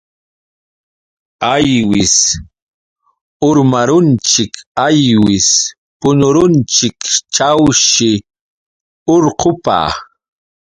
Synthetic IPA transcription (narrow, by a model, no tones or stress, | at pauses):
ajwɪs | ʊɾmaɾʊnt͡ʃɪkajwɪs | pʊɲʊɾʊnt͡ʃɪkt͡ʃawʃɪ | oɾqʰʊpa̰ː